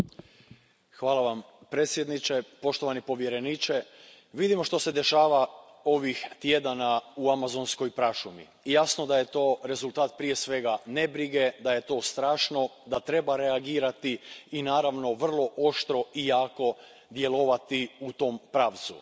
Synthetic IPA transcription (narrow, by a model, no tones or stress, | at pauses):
xʋaːlˠaʋam | pɾe̞t̪sje̞d̪nit͡ʃe̞po̞ʃt̪o̞ʋanipo̞ʋjeɾe̞niːt͡ʃe̞ | ʋid̪imo̞ʃt̪ose̞d̪e̞ʃaːʋa | o̞ʋixt̪je̞d̪anauamazo̞nsko̞jpɾaʃumḭ | jasno̞d̪aje̞t̪o̞ːɾe̞zulˠt̪aːt̪̚pɾije̞sʋe̞ɡane̞bɾiɡe̞d̪aje̞t̪o̞ːst̪ɾaːʃno̞d̪at̪ɾe̞baɾeaɡiːɾat̪iːnaːɾaʋno̞ʋr̩lˠo̞ʔo̞ʃt̪ɾo̞ijaːko̞ | d̪je̞lˠo̞ʋat̪iut̪o̞mpɾaːʋt̪sṵ